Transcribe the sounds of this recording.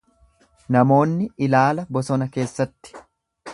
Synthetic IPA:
nɐmo̞ːnːɪɪlaːlɐbɔsɔnɐke̞ːsːɐt̪ːɪ̥

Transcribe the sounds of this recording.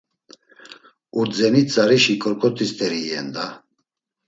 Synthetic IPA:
uɾd͡zɛnit͡sʼaɾiʃikʼɔɾkʼɔt̪ʰist̪ʰʼɛɾiɛnd̪a

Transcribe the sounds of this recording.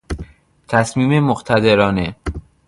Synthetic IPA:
t̪ʰæsmiːmemoɢt̪ʰæd̪eɾɒːne

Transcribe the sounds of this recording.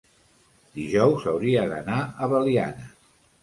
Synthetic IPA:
d̪iʒɔwzəwɾiəðə̰naəβəlia̰nə

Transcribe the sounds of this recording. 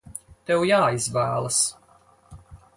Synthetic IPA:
t̪ɛwjaːizvæːlˠas

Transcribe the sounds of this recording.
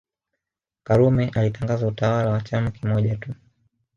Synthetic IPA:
kaɾumɛʔalitaŋɡazautawalawat͡ʃamakimɔʄatu

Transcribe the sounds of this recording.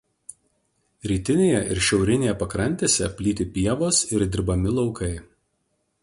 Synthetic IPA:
ɾʲiːt̪ʲɪnʲeːjɛʔɪɾʃʲɛʊɾʲɪnʲeːjɛpɐkɾɐnʲt̪ʲeːsʲɛpʲlʲiːt̪ʲɪpʲiɛʋoːsɪɾd̪ʲɪɾbɐmʲɪlˠɒʊkɐɪ

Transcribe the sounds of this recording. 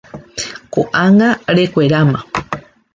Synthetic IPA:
ko̰ʔaŋɡaɾekʷeɾamã

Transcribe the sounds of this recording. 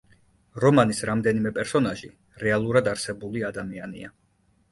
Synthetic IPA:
ɾɔmanisɾamd̪ɛnimɛpʼɛɾsɔnaʒi | ɾɛalˠuɾad̪aɾsɛbuliad̪amianḭa̰

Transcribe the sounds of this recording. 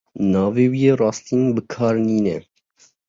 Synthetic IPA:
nɑːveːwijeːrɑːst̪iːnbɨkʰɑːɾniːnɛ

